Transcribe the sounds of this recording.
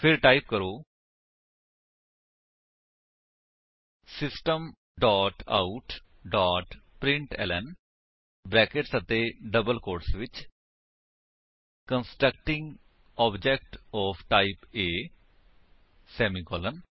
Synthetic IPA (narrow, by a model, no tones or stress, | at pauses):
pʰɪɾʈaːip̚kəɾoː | sɪsʈəm | ɖɔːʈa̰ːuʈ | ɖaːʈpɾɪ̃ɳʈɛ̰ːlɛn | bɾɛːkeʈsət̪eːɖəbəlkoːɾsʋɪt͡ʃ | kənsʈɾək̚ʈɪ̃ŋɡ | ɔːbd͡ʒɛk̚ʈɔːpʰʈaːipeː | sɛːmiːkɔːlən